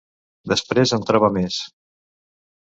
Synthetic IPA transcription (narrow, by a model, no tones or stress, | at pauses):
d̪əspɾezənt̪ɾɔβəmes